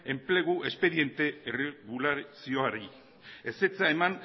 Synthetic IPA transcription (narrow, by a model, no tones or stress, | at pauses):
e̞mple̞ɣ̞uʔe̞spe̞ðie̞nt̪e̞ereɣulaɾsioaɾi | ese̞t͡saeman